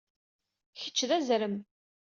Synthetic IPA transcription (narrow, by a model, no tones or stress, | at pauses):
çə̥t͡ʃːðæzɾəm